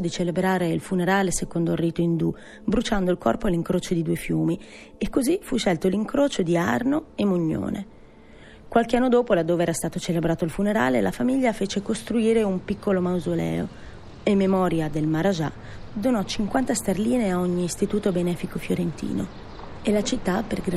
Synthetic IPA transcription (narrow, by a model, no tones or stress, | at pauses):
od̪it͡ʃelebɾaːɾeilfuneɾaːlesekond̪oirːiːt̪oind̪u | bɾut͡ʃand̪oilkɔ̰rpoaliŋkɾoːt͡ʃod̪id̪uːefjuːmi | ekːozifuʃːɛlt̪oliŋkɾoːt͡ʃod̪ia̰rnoemːuɲːo̰ːnʔḛ | kwalkeanːod̪oːpolad̪ːoːveɛːɾast̪aːt̪ot͡ʃelebɾaːt̪oilfuneɾa̰ːlelafamiʎːafeːt͡ʃekost̪ɾuiːɾeumpikʰːolomawzolɛ̰ːo̰ | emːemɔːɾjad̪elmaɾad͡ʒa̰ | d̪onɔt͡ʃiŋkwant̪ast̪erliːneaoɲːiːst̪it̪uːt̪obenɛːfikofjoɾent̪ḭːno̰ | elat͡ʃit̪ːapːerɡɾ